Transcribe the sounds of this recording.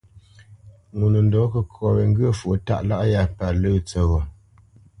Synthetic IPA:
ŋu˨nə˨n˦dɔ˨˦kə˦kʰɔ˨we˨ŋ̩˦ɡə˦˨fu˨ta̰˦ʔla˦ʔja˦˨pa˨lə˦˨t͡sə˨ɣɔ˨

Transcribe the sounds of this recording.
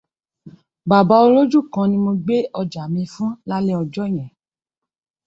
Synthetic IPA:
ba˨ba˧˦o˧ɾo˦d͡ʒu˦˨kã˧nĩ˧˦mo˧ɡ͡be˦ʔɔ˧d͡ʒa˨mĩ˧fũ˦la˦le˦ɔ˧d͡ʒɔ˦˨j̃ɛ̃˨

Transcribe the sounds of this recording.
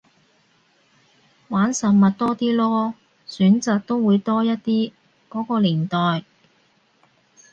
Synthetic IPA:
waː˨˥nsɐ˨mɐ˨t̚t̪ɔː˥t̪iː˥lɔː˥ | syː˨˥nt͡saː˨k̚t̪o˥wwuː˨˧jt̪ɔː˥jɐ˥t̚t̪iː˥ | kɔː˨˥kɔː˧liː˨˩nt̪ɔː˨j

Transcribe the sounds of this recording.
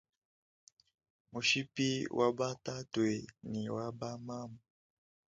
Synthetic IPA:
mu˨ʃi˦pi˦wʔa˦ba˦ta˦twɛ˨ni˨wa˦ba˦ma˦mu˨

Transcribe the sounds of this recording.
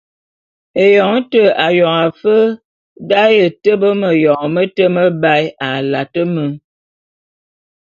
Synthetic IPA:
e˨jɔ˨ŋ˦tə˨a˨jɔ˨ŋa˨fə˦ | da˦jə˨tə˦bə˦mə˨jɔ˨ŋmə˦tə˦mə˦ba˦ja˨la˨tə˦mə˨˦ŋ

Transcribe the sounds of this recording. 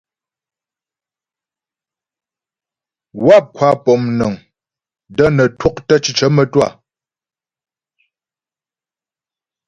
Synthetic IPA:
wa˦˨p̚kʰwa˨˦pɔ˨mnə˨ŋ | də˦nə˨two˦k̚tə˦t͡ʃi˨t͡ʃə˦mə˨twa˦˨

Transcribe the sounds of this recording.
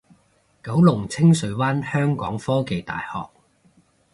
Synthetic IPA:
kɐ˨˥wlʊ˨˩ŋt͡sʰɪ˥ŋsɵ˨˥ɥwaː˥nhœː˥ŋkɔ̰ː˨˥ŋfɔː˥ke˨jt̪a̰ː˨jhɔ̰ː˨k̚

